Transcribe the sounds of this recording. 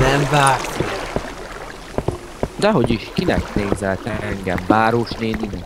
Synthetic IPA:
nɛmvaːksik | d̪ɛɦo̞ɟiʃkinɛ̰kt̪eːɲzɛlt̪ɛɛŋɡɛ̰mvaːɾoʃneːninɛ

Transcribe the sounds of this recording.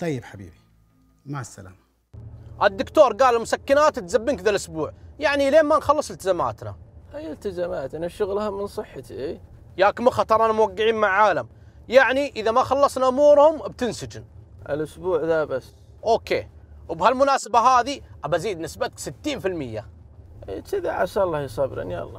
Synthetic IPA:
t̪ˤɑjːɪbħabḭːbi | masːa̰la̰ːm | ʔɪd̪ːʊkt̪oːɾˤɡaːlɪlmʊsakːɪnaːt̪t̪zabːɪnkðalʔʊsbuːʕjaʕnileːnmanxɑlːɨsˤɪlt̪ɪzama̰ːt̪na̰hajːɪlt̪ɪzamaːt̪ʔanaʃʊɣlhamɪnsˤɨħːat̪iʔeː | jaːkmaxɑt̪ˤɑɾˤʔanamwaɡːɪʕiːnmaʕʕaːlam | jaʕniʔɪðamaxɑlːɑsˤnaʔʊmuːɾhʊmbt̪ɪnsɪd͡ʒɪnʔɪlʔʊsbuːʕðabas | ʔoːkḛːwbhalmʊnaːsabaɦaːðiʔabaziːd̪nɪsbat̪̚ksɪt̪ːiːnfɪlmɪjːa̰ | ʔiːkɪðaʕa̰salˤːɑhjsˤɑbɾɪ̰nja̰ʔlˤːɑ̰ː

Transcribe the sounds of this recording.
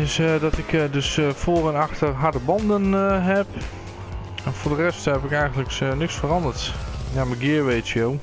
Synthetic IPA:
ɪsdɔtɪkdøsfoːɾənaxtərɦadəbɑndənɦɛp | ɛnfʊːɹdərɛsthɛpɪkɛjɣəndləknɪksfərɑndərtnjaməɡɪəɹʋejtjow

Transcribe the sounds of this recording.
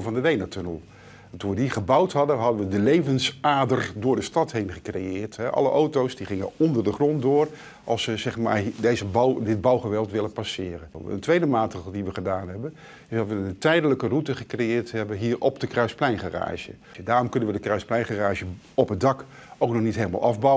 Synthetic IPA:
vɑndədejnatɵnəlˠ | tunʋədiχəbʌwtɦɑdəɦɑdənʋədəlejvənsaːdərdʊːɹdəstɑtɦejnχəkrejɪːɹtɦɛʔɑ̰lə̰ʔowtowsdiχɪŋə̰nɔndəɹdəχrɔndʊːr | ʔɑ̰lˠsʋəzɛχma̰ːɹdejzəbwdɪd̚bɑwχəʋɛlˠtʋɪlənpɑsɪːrənə̰ntʋejdəmaːtrekəl̩ˠdiʋəχədaːnɦɛbən | ɪsdɑtʋəəntɛjdələkərutəχəkrejɪːɹtɦɛbənɦiːɹʔɔpdəkrœɥsplɛjnχara̰ːʒə̰ | daːrɔmkɵnənʋədəkrœɥsplɛjnχaraːʒə | ɔpɦədɑk | owknɔχnitɦejləma̰lˠʔɑvbɑw

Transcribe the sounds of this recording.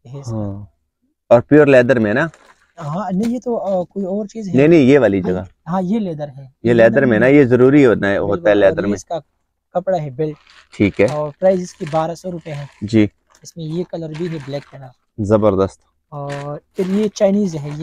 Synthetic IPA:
ɦɛɪs | ɔːɾpjuːɾlɛːd̪əɾmẽnaː | ɦãnɐĩjet̪okoːiɔːɾt͡ʃiːzɦnɐɦĩnɐĩjeʋaːlid͡ʒɐɡa | ɦãːjeleːd̪əɾɦɛ̃jelɛːd̪əɾmẽnajezɐɾuːɾiɦɛnaɦoːt̪aɦɛlɛːd̪əɾmẽska | kɐpɽaɦɛbɪlʈ | ʈʰiːkɦɛɔːɾpɾaːɪzɪskebaːɾasɔɾʊpjeɦɛ̃ːd͡ʒiː | ɪsmẽjekɐləɾbʱiɦɛblɛːkɦɛnaː | zɐbəɾd̪əst̪ | ɔːɾpɪɾjet͡ʃaːɪniːzɦɛje

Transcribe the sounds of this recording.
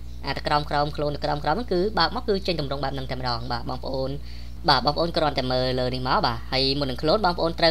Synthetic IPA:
ʔa̰ːt̪ʰakraɔmkraɔmkʰluənːɨkraɔmkraɔnəŋkɨːɓaək̚maɔkɨːt͡ɕəɲt̪umrʊŋɓaɛp̚nɨŋt̪aɛmə̆ɗɑːŋɓaːɓɑːŋpə̆ʔoːn | ɓaːɓɑːŋpə̆ʔoːnkroənt̪ɛməːlləːnihmaɔɓaːhəəjmunːɨŋkʰluənɓɑːŋpə̆ʔoːnt̪rə

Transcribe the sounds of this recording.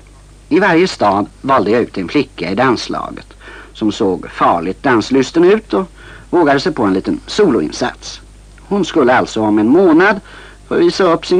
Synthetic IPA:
ɪvaɾjəst̪ɑːd̪vɑːld̪əjaʉ̟ːt̪ɛnflɪkːaɪd̪anslɑ̰ːɡə̰t̪sɔmsoːɡfɑːɭɪt̪̚d̪anslʏst̪ənʉ̟ːt̪ɔ | voːɡad̪əsɛjpʰɔɛnliːt̪ənsuːlʊɪ̰nsa̰t̪s | hʊnskɵlːəalt̪sɔhɑːmɛɛnmoːnad̪ | fœːɾviːsaɵpːsɪn

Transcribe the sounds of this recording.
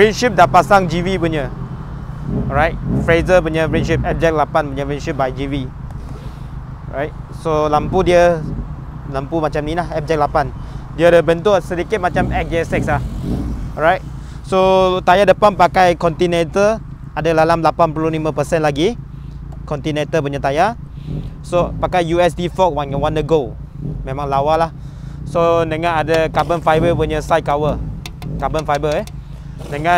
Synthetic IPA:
fɹɛnʃip̚dapasaŋd͡ʒivipuɲə | ɹajt̚fɹezəpuɲəfɹɛnʃip̚ɛp̚d͡ʒɛk̚t̚lapanpuɲəfɹɛnʃip̚bajd͡ʒivi | ɹa̰jt̚ | solampudiə | lampumat͡ʃamnilahɛp̚d͡ʒɛk̚lapandiədəbənt̪usədikit̪̚mat͡ʃamɛk̚d͡ʒɛsɛk̚slah | ɹajt̚ | sot̪ajadəpanpakajkɔnt̪inet̪ə | adəlalamlapanpulolimãpəsɛ̃nlaɡi | kɔ̃nt̪inet̪əp̬uɲət̪aja | sopakajjuɛs̬difɔk̚wãnwãnəɡo | mẽmãŋlawalah | sonəŋãnadəkabənfajbəpuɲəsaj̚kawə | kabənfajbəɛ | nəŋã

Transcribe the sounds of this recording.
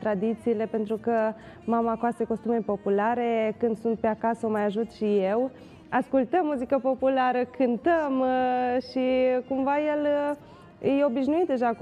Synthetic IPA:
t̪ɾad̪it̪siːle̞pe̞nt̪ɾukə | mamakoast̪eko̞st̪umepo̞pulaɾe̞kɨnd̪sunt̪̚peakasəomajaʒut̪ʃijew | askult̪əmːuzikəpo̞pulaɾəkʰɨnt̪əmʃikumvaje̞l | jeo̞biʃnuit̪̚d̪e̞ʒa

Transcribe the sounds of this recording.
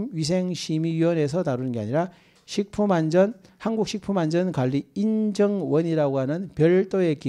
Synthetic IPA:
mɥis̬ʰeŋɕʰimiɥiwʌne̞s̬ʰʌtaɾunɯnɡea̰ɲiɾa | ɕʰik̚pʰumand͡ʑʌn | hanɡuk̚ɕʰik̚pʰumand͡ʑʌnkwaʎːiind͡ʑʌŋwʌɲiɾaɡoɦanɯnpjʌɭt͈oe̞ki

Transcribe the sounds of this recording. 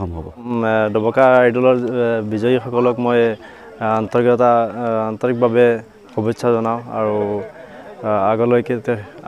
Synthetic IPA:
ɔmɦɔbɔdɔbɔkajdɔlɔɹbizɔjixɔkɔlɔkmoj | antɔɹkɔtaːntɔɹik̚babɛ | xɔbɔtsʰazɔnaʊ̃a̰ɹu | aɡɔlɔjkɛt

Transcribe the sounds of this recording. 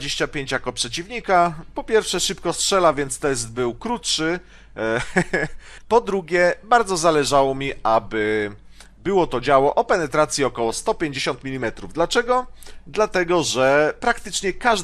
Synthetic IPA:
d͡ʑeɕt͡ɕapʲjeɲt͡ɕjakɔpʂɛt͡ɕivɲikapɔpʲjɛɾfʂɛʂɘpkɔstʂɛlavʲjɛnt̪st̪ɛsd̪̚bɘwkɾutʂɘ | pɔd̪ɾuɡʲjɛbaɾd̪zɔzalɛʐawɔmʲiʔabɘ | bɘwɔt̪ɔd͡ʑawɔʔɔpɛnɛt̪ɾat̪sʲjiɔkɔwɔst̪ɔpʲeɲd͡ʑeɕɔnt̪mʲilʲimɛt̪ɾuvd̪lat͡ʂɛɡɔd̪lat̪ɛɡɔʐɛpɾakt̪ɘt͡ʂɲɛkaʐ

